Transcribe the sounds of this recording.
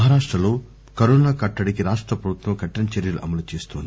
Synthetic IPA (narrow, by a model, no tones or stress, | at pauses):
ɐɦaːɾaːʂʈɾɐlo̞ː | kɐɾoːnaːkɐʈːɐɽikiɾaːʂʈɾɐpɾɐbʱut̪ʋɐmkɐʈːɐnɐt͡ʃeɾjɐluʔɐmɐlut͡ʃeːst̪oːnd̪i